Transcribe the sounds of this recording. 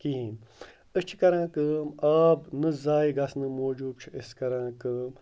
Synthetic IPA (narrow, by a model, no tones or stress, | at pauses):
kiːn | ɨt͡ʃʰi̥kɐɾãːkɨːmaːbnɨzaːiɡɐsnɨmoːd͡ʒuːb̚t͡ʃʰiəskɐɾãːkɨːm